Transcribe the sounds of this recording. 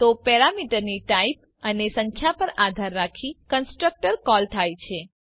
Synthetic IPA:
t̪opɛɾamiʈəɾniʈaip̚ | ənesə̃ŋkʰjapəɾad̪ʱaɾːakʰikənsʈɾək̚ʈəɾkɔlt̪ʰajt͡ʃʰe

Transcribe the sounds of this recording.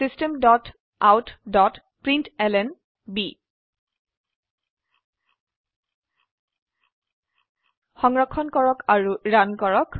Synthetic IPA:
sistɛmdɔt | awtdɔt | pɹintɛlɛn | bi | xɔŋɹɔkʰːɔnkɔɹɔkaɹuɹankɔɹɔk

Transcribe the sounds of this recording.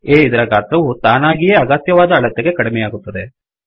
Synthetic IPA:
eːid̪ɐɾɐɡaːt̪ɾɐʋut̪aːnaːɡijɐɐɡɐt̪jɐʋaːd̪ɐːɭɐt̪ːeɡe̞kɐɽimɛjaːɡut̪ːɐd̪e

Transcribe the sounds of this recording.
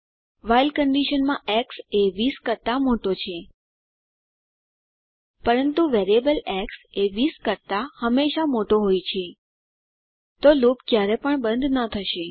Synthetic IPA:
ʋajlkəɳɖiʃənmãʔɛkseʋiskəɾt̪amoʈot͡ʃʰe | pəɾənt̪uʋeɾiebəlɛkseʋiskəɾt̪ahəmːeʃamoʈoɦojt͡ʃʰe | t̪olopkjaɾepəɳbənd̪ʱnət̪ʰəʃe

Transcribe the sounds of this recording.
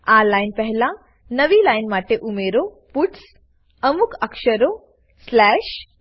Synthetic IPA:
alajnpəɦlã | nəʋiːlajnmaʈeʔumeɾo | puʈs | əmukʰəkʂəɾo | slɛɕ

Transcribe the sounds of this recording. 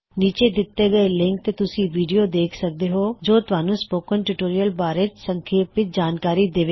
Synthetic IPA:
niːt͡ʃeːd̪ɪt̪ːeɡəelɪ̃ŋk̚t̪eːt̪ʊsĩːʋiːɖijoːd̪eːkʰsək̚d̪eːɦoːd͡ʒoːt̪ʊaːnũːspoːkənʈuʈoːɾijəlbaːɾɪt͡ʃsəŋkʰeːpɪt̪̚d͡ʒaːnkaːɾid̪eːʋeː

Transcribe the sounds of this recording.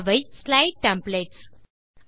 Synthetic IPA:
ʋɐɪslaɪʈ̚ʈɛ̃mpleːʈs

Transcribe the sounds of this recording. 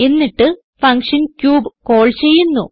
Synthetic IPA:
enːiʈːɨ | fɐŋkʂɐnkjuːbko̞ːɭt͡ɕe̞jːunːu

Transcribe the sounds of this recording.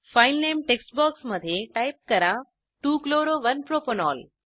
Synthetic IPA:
faːɪlneːmʈeːksʈbɔːksmɐd̪ʱjeʈaːɪp̚kɐɾã | ʈuːkloːɾoʋɐnpɾoːponɔːl

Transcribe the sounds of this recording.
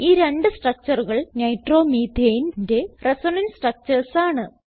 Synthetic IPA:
iːɾe̞ɳɖɨsʈrɐk̚t͡ɕɐruɣɐɭnɐjʈro̞ːmiːd̪ʱeːjinnde̞resonɐnsʈrɐk̚t͡ɕɐrsaːɳɨ

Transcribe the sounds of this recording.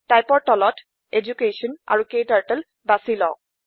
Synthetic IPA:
tajpɔɹtɔlɔt | ed͡ʒukesɔna̰ɹukejtaɹtəl | basilɔ̰ʊk̚

